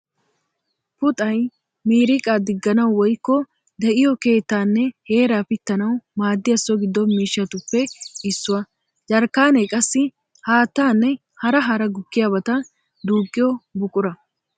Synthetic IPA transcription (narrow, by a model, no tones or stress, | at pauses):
pʊt̪ʼɐj | miːɾɪkʼad̪ɪɡːɐnɐwwɔjkːɔ | d̪ɛʔɪjɔke̞ːt̪ːaːnːɛhe̞ːɾaːpɪt̪ːɐnɐwmaːd̪ːɪjɐsːɔɡɪd̪ːɔmiːʃːɐt̪ʊpːɛɪsːʊwɐ | d͡ʒɐɾkːaːnekʼɐsːɪ | haːt̪ːaːnːɛ | hɐɾɐɦɐɾɐɡʊkːɪjaːbɐt̪ɐ | d̪uːkʼːɪjɔbʊkʼʊɾɐ